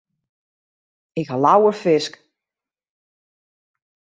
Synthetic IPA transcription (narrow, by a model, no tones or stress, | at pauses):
ɪkhalawərfɪsk